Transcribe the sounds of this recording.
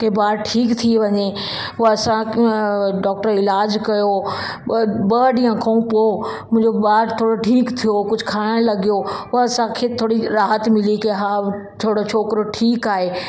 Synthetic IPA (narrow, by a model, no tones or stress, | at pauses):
kʰeːbaːɾʈʰiːkt̪ʰiʋɐɲe | ʊɐsã | ɖɔːk̚ʈəɾɪlaːd͡ʑkɐjo | bɐɖĩːãkʰɐ̃ũpo | mʊ̃ɦɪ̃ɲd͡ʑobaːɾt̪ʰoːɽoʈʰiːkt̪ʰijokʊd͡ʑʱkʰaːɽəɽ̃lɐɡijoʊɐsãkʰeːt̪ʰoːɽiɾaːɦət̪mɪlikeɦaː | tʰoːɽot͡ɕʰoːkɾoʈʰiːkaːɦeː